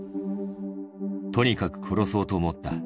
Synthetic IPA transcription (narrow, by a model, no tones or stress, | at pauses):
t̪o̞ɲ̟ikakɯ̟̥kʰo̞ɾo̞so̞ːt̪o̞ːmot̪ːa̰